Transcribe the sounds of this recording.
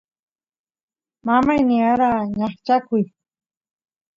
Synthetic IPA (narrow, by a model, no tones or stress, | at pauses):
mamajnɪaɾaːɲaχt͡ʃakʊj